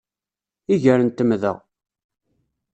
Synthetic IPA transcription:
iʝəɾənt̪əmðə̰ʁ

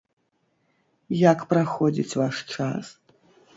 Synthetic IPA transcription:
jakpraxɔd͡zʲḭt͡sʲvaʂt͡ʂa̰s

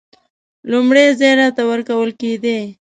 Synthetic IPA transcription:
lumɽezejɾɑt̪awəɾkawəlked̪e

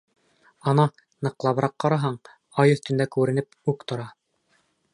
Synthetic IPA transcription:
ɑnɑ | nɤ̆qlˠɑβɤ̆ɾɑqːɑɾɑɦɑɴ | ɑjɵ̆θt̪ɵ̆nd̪ækʉɾɘ̆nɘp̚ʉkt̪ŏɾɑ

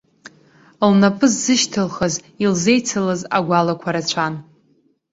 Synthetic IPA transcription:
lnapʼɨzːɨʃtʰɨlχaz | ilze̞jt͡sʰɨlaza̰ɡʷalakʷʰaɾat͡ɕt͡ʃʷʰan

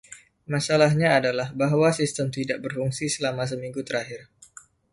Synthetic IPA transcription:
masalaɦɲaːdalahbaɦwasist̪əmt̪idaʔ̚bərfuŋsisəlamas̬əmiŋɡut̪əɾaɦɪr

